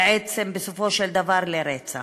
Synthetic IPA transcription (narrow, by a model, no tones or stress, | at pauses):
ʕet͡sembesofo̞ʃeld̪avaɾleɾet͡sa